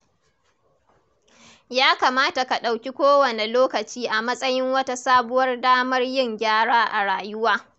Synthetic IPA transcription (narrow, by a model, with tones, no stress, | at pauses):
jaː˦ka˨maː˦ta˨ka˨ɗa˨wkʲi˦kʷoː˦wɐ˨ne˨loː˦kɐ˨t͡ʃiː˦ʔa˨mɐ˦sʼɐ˦jɪ˦ŋwɐ˦ta˦saː˦bʊ˦wɐ˦rdaː˦mɐ˦rjɪ˦˨ŋɡʲaː˦ɽaː˦ʔa˨ɽaː˨jʊ˦waː˦